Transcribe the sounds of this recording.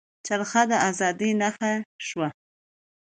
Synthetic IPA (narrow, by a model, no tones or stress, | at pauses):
t͡ʃaɾxad̪əazɑd̪inaxaʃwa